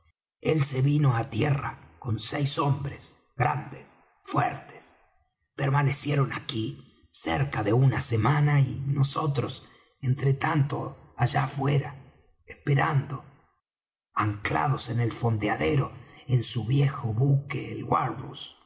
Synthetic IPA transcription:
else̞βino̞at̪jera̰ko̞nsejso̞mbɾes | ɣɾand̪es | fwḛɾt̪es | peɾmane̞sjeɾonaki | sḛɾkaðe̞unasemanainoso̞t̪ɾos | ent̪ɾet̪ant̪oaʒafwe̞ɾa | espeɾand̪o | aŋkla̰ð̞o̞se̞ne̞lfond̪eaðeɾo̞ensuβje̞xo̞βukeːlɣwaɾðṵs

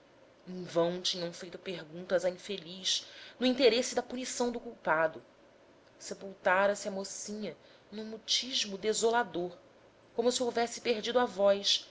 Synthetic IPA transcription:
ẽvɐ̃w̃t͡ʃĩɲɐ̃w̃fejt̪ʊpeɦɡũnt̪ɐzaĩfeliʃnʊĩnt̪eɾesɪd̪ɐpunisɐ̃w̃d̪ʊkuwpad̪ʊ | sepuwt̪aɾɐsɪɐmosĩɲɐ | nũmut͡ʃiʒmʊd̪ezolad̪oɾ | kõmʊsiowvɛsɪ̥peɾd͡ʒid̪ʊavɔjʃ

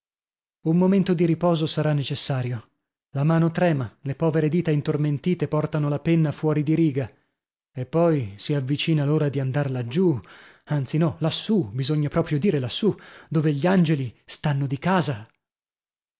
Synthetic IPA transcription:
umːoment̪od̪iɾipɔːzosaɾanːet͡ʃesːaːɾjo | lamaːnot̪ɾɛːmalepɔːveɾed̪iːt̪aint̪orment̪iːt̪epɔrt̪anolapenːafwɔːɾid̪iɾiːɡa | epːɔjsiavːit͡ʃiːnaloːɾad̪iand̪arlad͡ʒu | ant̪sinɔlasːubizoɲːapɾɔːpɾjod̪iːɾelasːud̪oːveʎːiand͡ʒelist̪anːod̪ikaːza

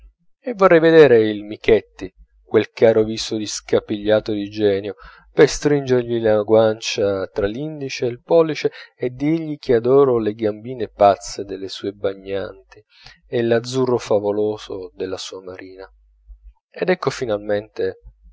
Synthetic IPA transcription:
evːorːɛjved̪ɛːɾeilmikɛt̪ːi | kwelkaːɾoviːsod̪iskapiʎːaːt̪od̪id͡ʒɛːnjo | pest̪ɾind͡ʒerʎilaɡwant͡ʃat̪ɾalːind̪it͡ʃeːlpɔːlːit͡ʃeːd̪ieʎːik̟ʰiad̪ɔːɾoleɡambiːnepat̪sːed̪elːesuːebaɲːant̪i | elad̪zːurːofavoloːzod̪elːasuːamaɾʔiːna | ed̪ɛkːofinalment̪e

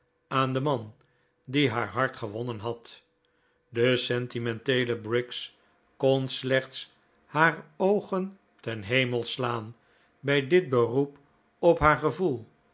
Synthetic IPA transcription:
aːndəmɑn | diɦaːɹɦɑɹtχəʋɔnənɦɑt | dəsɛntimɛntejləbrɪks | konslɛχts | haːɹowχən | tɛnɦejməlˠslaːn | bɛjdɪd̚bərup | ɔpɦaːɹχəvulˠ

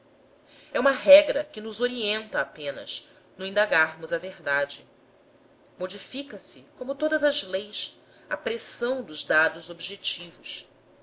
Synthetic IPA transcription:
ɛũmɐɦɛɡɾɐkɪnʊzoɾiẽnt̪ɐːpẽnɐ̰s | nũĩnd̪aɡaɾmʊzɐveɦd̪ad͡ʒɪ | mod͡ʒifikɐsɪkõmʊt̪od̪ɐzɐzlejs | ɐpɾesɐ̃w̃d̪ʊzd̪ad̪ʊzobiʒet͡ʃivʊs

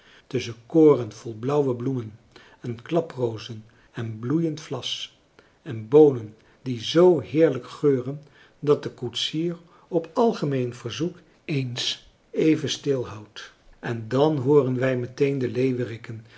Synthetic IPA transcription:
tɵsənkoːrənv̥ɔlˠblʌwwəblumən | ɛnklɑprowzən | ɛnblujəntflɑs | ɛnbownən | dizowɦɪːɹləkχøːrən | dɑt̚dəkutsiːɹ | ɔpɑlˠχəmejnv̥əɹzuk | ejns | ejvənstɪlˠɦɑwt | ʔɛndɑnɦoːrənʋɛjmətejndəlejʋərɪkən

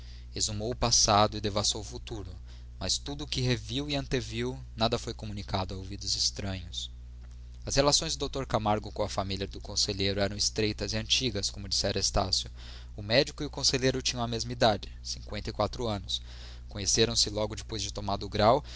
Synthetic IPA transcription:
ezumowʊpasad̪ʊɪd̪evast̪owʊfut̪uɾʊ | mɐst̪ud̪ʊːkɪɦeviwiɐ̃nt̪eviw | nad̪ɐfojkomũnikad̪ʊɐovid̪ʊzɪst̪ɾɐ̃ɲʊs | ɐshelasõj̃zd̪ʊd̪owt̪oɾkamaɾɡʊkõɐfamiliɐd̪ʊkõseʎejɾʊɛɾɐ̃w̃ɪst̪ɾejt̪ɐzɪɐ̃nt͡ʃiɡɐskõmʊd͡ʒisɛɾɐest̪a̰sjʊ | ʊmɛd͡ʒikʊiʊkõseʎejɾʊt͡ʃĩɲɐ̃ɐmezmɐid̪ad͡ʒɪsĩŋkwẽnt̪ɐɪjkwat̪ɾʊɐ̃nʊs | kõɲeseɾɐ̃w̃sɪlɔɡʊd͡ʒɪpojzd͡ʒɪt̪omad̪ʊɡɾaw

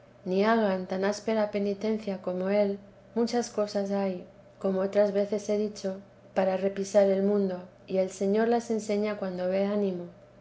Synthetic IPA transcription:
niaɣant̪anaspe̞ɾape̞nit̪e̞n̟θjako̞mo̞e̞l | mut͡ʃasko̞sasaj | ko̞mo̞ot̪ɾazβe̞θe̞se̞ðit͡ʃo̞ | paɾare̞pisaɾe̞lmũnd̪o̞ | ie̞lse̞ɲo̞ɾlase̞nse̞ɲakwand̪o̞βe̞anĩmo̞

